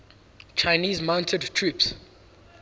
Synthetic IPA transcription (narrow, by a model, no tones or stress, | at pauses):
t͡ʃʰaɪniːzmãw̃ntʰədtʰɹups